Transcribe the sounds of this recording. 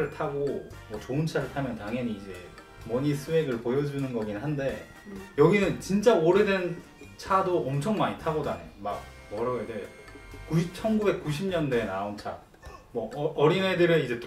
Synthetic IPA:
ɾɯɭtʰaɡomwʌt͡ɕoɯnt͡ɕʰaɾɯɭtʰamjʌntaŋɦjʌɲiːd͡ʑe̞ | mʌɲisʰue̞ɡɯɭpojʌd͡ʑunɯnɡʌɡinɦande̞ | jʌɡinɯnt͡ɕint͡ɕ͈aoɾe̞dwe̞n | t͡ɕʰadoʌmt͡ɕʰʌŋmaɲitʰaɡʌdanejoma̰k̚ | mʌɾʌɡede | kut͡ɕʰʌnɡube̞k̚k͈uɕʰimɲʌnde̞naont͡ɕʰa̰ | mwʌʌɾinedɯɾeid͡ʑe̞t

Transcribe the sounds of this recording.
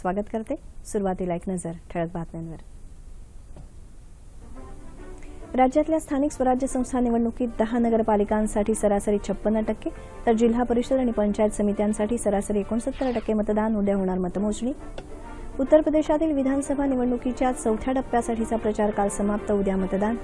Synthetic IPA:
sʋaɡət̪kəɾt̪esuɾuʋat̪iːlaeknəd͡zəɾʈ̪ʰeɭət̪̚bat̪mjanʋəɾ | ɾad͡ʑjat̪ljast̪ʰaniksʋəɾad͡ʑjəsə̃w̃st̪ʰaniʋəɳɳukiːt̪̚d̪əɦanəɡəɾpalikãnsaʈʰiːsəɾasəɾiːt͡ɕʰəpːənɾəʈəkːe | t̪əɾd͡ʑil̤ɦapəɾiʂəd̪aɽ̃ipəɲt͡ɕajet̪səmit̪jãnsaʈʰiːsəɾasəɾiekoɳəsət̪ːəɾəʈəkːemət̪d̪anud̪jaɦoɽɳ̃aɾmət̪əmot͡sɳ̃iː | ut̪ːəɾpɾəd̪eɕat̪iːlʋid̪ʱansəbʱaniʋəɳɳukit͡ɕjasəwt̪ʰjaʈəpːjasaʈʰit͡sapɾət͡ɕaɾkalsəmap̚t̪əud̪ʱjamət̪d̪an

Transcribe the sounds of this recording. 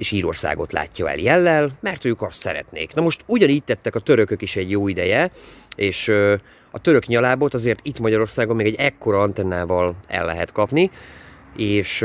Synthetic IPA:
eːʃiːɾo̞̰rsa̰ːɡo̞̰t̪la̰ːcːɒɛ̰ljɛlːɛlmɛrt̪øːkɒst̪sɛ̰ɾɛ̰t̪nḛːknɒmo̞ʃt̪uɟɒniːc̚t̪ɛt̪ːɛkɒt̪øɾø̞kø̞kiʃɛɟjoːid̪ɛjɛeːʃ | ɒt̪ø̞ɾø̞kɲɒlaːbo̞t̪ɒzeːrt̪it̪mɒɟɒɾo̞rsaːɡomːeːɡɛɟɛkːo̞ɾɒɒnt̪ɛnːaːvɒlɛ̰lːɛ̰ɦɛt̪kɒpni | eːʃ

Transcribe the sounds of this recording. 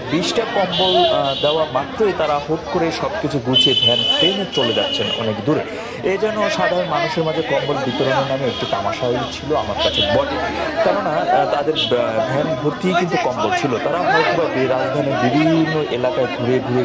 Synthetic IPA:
biʃʈakɔmbold̪eoamat̪ːɾojt̪aɾaɦot̪koɾeʃɔbkit͡ɕʰuɡut͡ɕebʱɛnpeɦet͡ɕoled͡ʑa̰t̪ːɕʰenɔ̰nekd̪uɾe | ed͡ʑɔnoʃad̪ʱaɾonmanuʃeɾmad͡ʑʱekɔmbolbit̪oɾonenameek̚ʈit̪amaʃaulit͡ɕʰiloamaɾkat͡ɕʰebɔnekɛɾonat̪ad̪eɾbʱɛnbʱoɾt̪ijkint̪ukɔmbolt͡ɕʰilot̪aɾaɦɔkbʱabeɾad͡ʑd̪ʱaneɾbibʱinːoʔelakaed̪ʱuɾed̪ʱuɾe

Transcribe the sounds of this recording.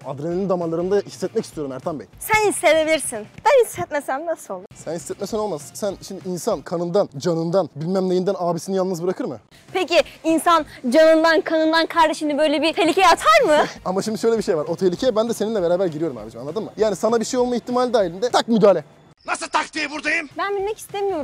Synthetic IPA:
ad̪ɾeneinind̪amanlˠaɾɯnd̪ahi̥sːɛt̪̚mɛcʰʲist̪ʰijo̞ɾumæɾt̪ʰanbḛjsænhisːed̪ebilʲiɾsinb̥ænhisːɛt̪mesæmnasolˠsænhisːɛt̪mɛcsɛnomazsænʃimd̪iinsankʰanɯnd̪and͡ʒanɯnd̪anbilʲmæmlʲejind̪ænaːbisinijalˠnɯzbɯɾakʰɯɾmɯ̰ | pʰeciinsand͡ʒanɯnd̪ankʰanɯnd̪ankʰaɾd̪eʃinɯbø̞jlʲebit̪ʰe̞lʲicʰejat̪ʰaɾmɯamaʃimd̪iʃø̞jlʲɛbiʃe̞jvaɾo̞t̪ʰelʲicʰejɛbænd̪ɛseninlʲɛbeɾaːbæɾɟiɾijo̞ɾuma̰ːbid͡ʒimanˠad̪ɯmmɯ̰jaːnisanabiʃejolˠmaiçt̪ʰimaːlʲid̪aːɦilʲind̪ɛt̪ʰak̚myd̪aːlʲɛ | nasɯlˠt̪ʰak̚t̪iːbuɾd̪ajɯmbænbinmɛci̥st̪ʰemijo̞ɾu

